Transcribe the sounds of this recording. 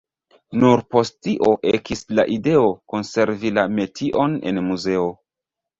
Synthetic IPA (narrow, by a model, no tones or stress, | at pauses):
nuɾpo̞stiʔo̞ʔekislaʔide̞o̞ko̞nse̞ɾvilame̞tʰiʔo̞ne̞̰nmuze̞o